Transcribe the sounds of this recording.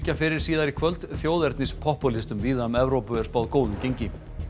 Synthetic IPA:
cafɪɾɪɾ̥siːðaɾikʰvœlt̪θjoːwðɛɾt̪nɪspʰɔhpɔlɪst̪ʏmviːðamɛvɾowpʏɛɾ̥spaːwðkoːwðʏmcejɲcɪ

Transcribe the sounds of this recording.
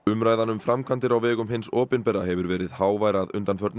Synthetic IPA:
ʏmɾaːjðanʏmfɾamkʰant̪ɪɾawvɛːɣʏmhɪnsɔːpɪnpɛrːaɦɛvʏɾvɛːɾɪðhaːwvaːjɾaðʏ̰nt̪anfœɾt̪n

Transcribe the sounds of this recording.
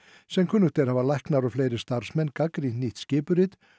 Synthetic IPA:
sɛmkʰʏnːʏht̪ɛɾ̥havalajhknaɾɔfleːjɾɪst̪aɾ̥smɛnːkakɾiniht̪scɪːpʏɾɪt̪

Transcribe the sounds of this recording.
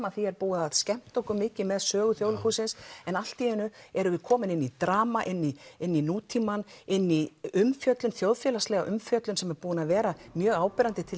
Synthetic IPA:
aθiɛɾpuːaðscɛm̥t̪owkʏmɪːcɪmɛðsœːɣʏθjoːwlhuːsɪnsɛnal̥t̪iɪnːʏɛɾʏvɪkʰɔːmɪnɪnːit̪ɾaːmaʔɪnːiɪnːinuːt̪ʰimanɪnːiʏmfjœt̪lʏnθjowðfjɛːlast̪lɛːɣa̰ʔʏmfjœt̪lʏnsɛmɛɾpuːʏnaðvɛːɾamjœːɣaːwpɪɾant̪ɪt̪ʰɪl

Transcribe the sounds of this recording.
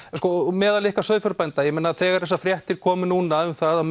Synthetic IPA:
skɔmɛːðalɪhkasœːðfœɾpɛjnt̪ajɛmɛnːaθɛːɣaɾ̥θɛsːafɾjɛht̪ɪɾ̥kʰɔːmʏnuːnaʏmθaða

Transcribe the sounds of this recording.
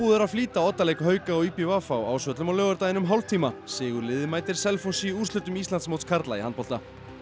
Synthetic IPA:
uːðɛɾaðfliːt̪aɔt̪ːalejkɦœːɥkaɔwipɪvafawaːwsvœt̪lʏmawlœːɣœɾt̪ajɪnʏmɦawlt̪ʰiːmasɪːɣʏɾlɪːðɪmaːjt̪ɪɾ̥sɛlfonsiuːst̪ʏt̪ːʏmist̪ant̪smowt̪skʰaɾt̪laihant̪pɔl̥t̪a

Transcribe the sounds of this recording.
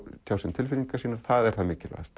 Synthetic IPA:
t̪ʰjaːwsɛmt̪ʰɪlfɪliŋkasiːnaɾ̥θaðɛɾ̥θaðmɪːcɪlv̰st̪

